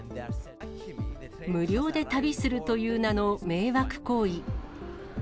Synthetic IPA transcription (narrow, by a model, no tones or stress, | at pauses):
mɯ̟ɾʲo̞ːd̪e̞t̪abʲisɨɾɯ̟t̪o̞jɯːnano̞me̞ːβakɯ̟̥ko̞ːi